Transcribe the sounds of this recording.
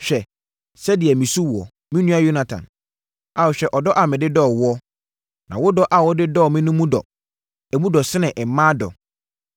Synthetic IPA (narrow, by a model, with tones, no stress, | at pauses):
ɕᶣɛ˨ | sɛ˦dɪ˨ɛ˨mĩ˨su˦wɔ̰˨ | mĩ˦nũ˦a˦jo˦nã˨tʰã̰˨n | a˨wʊ˨ɕᶣɛ˦ʔɔ˨dɔ˦ʔa˨mɪ̃˨dɪ˦dɔː˦˨wɔ˦ | nã˨wʊ˦dɔ˦ʔa˨wʊ˦dɪ˦dɔ˦ɔ˨mɪ̃˦nũ˦mũ˦dɔ̰˨ | ɛ˨mũ˦dɔ˨sɪ˦nɪ̃˨ʔɛ˨˦mã˦dɔ̰˨